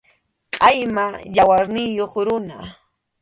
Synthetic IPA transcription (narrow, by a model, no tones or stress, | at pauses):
qʼɑjmajawaɾnɪjoχɾʊna